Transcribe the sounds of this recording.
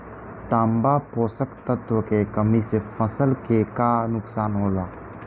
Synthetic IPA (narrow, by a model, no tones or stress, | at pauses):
t̪ãːmbapoːsəkt̪ət̪wəkekəmisefʰəsəlkekanʊksaːnɦoːlaː